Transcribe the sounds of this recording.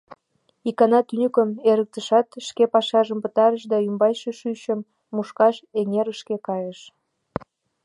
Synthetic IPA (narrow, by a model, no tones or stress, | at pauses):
ikɑnɑt̪ynʲykəmeɾək̚t̪əʃɑt̪ʃkepɑʃɑʒəmpət̪ɑɾəʃd̪ɑymbɑjʃeʃyɕəmː | uʃkɑʃeŋeɾəʃkekɑjəʃ